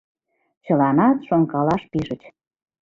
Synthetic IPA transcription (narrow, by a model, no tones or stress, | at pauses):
t͡ɕəlɑnɑt̪ʃoŋkɑlɑʃpiʒə̆t͡ɕ